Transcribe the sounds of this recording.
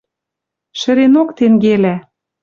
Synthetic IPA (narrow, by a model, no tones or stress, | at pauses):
ʃɘ̆ɾenokt̪eŋɡelæ